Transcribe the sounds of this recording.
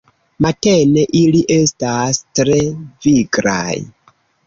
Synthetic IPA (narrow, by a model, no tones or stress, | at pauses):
mate̞ne̞ʔiliʔe̞stastɾe̞viɡɾa̰j